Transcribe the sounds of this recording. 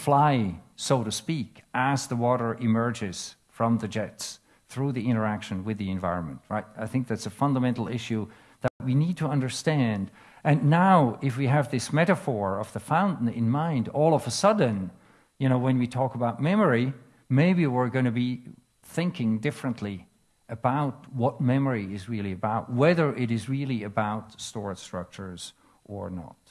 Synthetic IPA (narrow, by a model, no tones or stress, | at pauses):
flaɪsoʊɾɨspikʔəzðəwɔɾə˞ʔɪmɜ˞d͡ʒɪz̥ | fɹʌ̃mðɨd͡ʒɛts | θɹuðiɪ̃ɾ̃ə˞ækʃɨ̃nwɨðiɨ̃ɱvaɪɹə̃nmə̃nʔ̚ɹaɪt̚aɪθɪ̃ŋk̚ðætsɨfʌ̃ndəmɛ̃nˡl̩ˠɪʃʉ | ðət̚winid̚tʰəʌ̃ndə˞stæ̃nd | ʔɨ̃nːaʊɪfwiɨvðɪsmɛɾəfɔɹʌvðəfãʊ̃nʔn̩ɪ̰̃nmãɪ̃ndɔlˠʌvəsʌdⁿn̩ | jɨñoʊwɨ̃nwitʰɔkəbaʊt̚mɛmə˞i | meɪbiwɪɹɡõnɨbi | θɪ̃ŋkɪ̃ŋdɪfɹɨ̃nʔli | ɨbaʊt̚wʌt̚mɛmə˞iɪzɹɪlˠiɨbaʊt̚wɛðə˞ʔɪɾɨzɹɪlˠiɨbaʊtstɔɹɨ̥stɹ̥ʌ̰k̚t͡ʃə˞z̥ | ʔə̰˞nə̰t̚